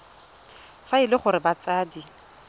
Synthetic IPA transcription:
faɪlɪχʊɾɪbat͡saːdi

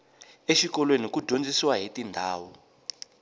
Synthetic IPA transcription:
eʃikɔlwenikud̥ʱond͡zisiwaɦetindʱaːwɔ

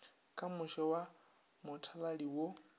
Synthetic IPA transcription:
kʼamʊʃɔwa | mʊtʰalaɺiwo

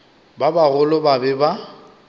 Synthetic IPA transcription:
babaɣʊlʊbabɛba

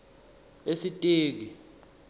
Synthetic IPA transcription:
esitʼeːk̬i

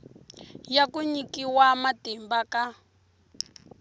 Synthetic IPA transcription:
jakuɲikiwamatɛmbaka

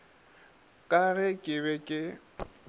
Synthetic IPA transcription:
kʼaɣɪkʼɪβɛkʼɪ

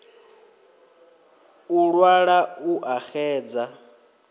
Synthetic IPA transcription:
uɺwaɺauʔaxɛːd͡za

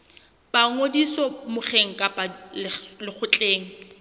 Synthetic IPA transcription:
baŋodisɔmʊχeŋ̩kʼapʼalɪlɪk͡xʰʊt͡ɬʼeːŋ̩

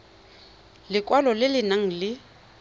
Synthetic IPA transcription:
lɪkʼwalɔlɪlɪnaŋ̩lɪ

